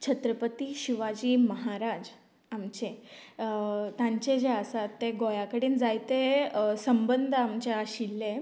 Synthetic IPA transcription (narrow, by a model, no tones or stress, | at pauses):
t͡ɕʰət̪ɾəpət̪iɕiʋad͡ʑiːməɦaɾad͡ʑ | amt͡ɕe | t̪ãɲt͡ɕed͡ʑeəsat̪ːeɡojakəɽiːnd͡zajt̪esəmbənd̪ʱəamt͡ɕeaɕilːe